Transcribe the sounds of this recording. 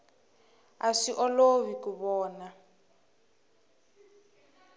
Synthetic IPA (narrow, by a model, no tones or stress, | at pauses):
aʂiʔɔloβikuβɔːna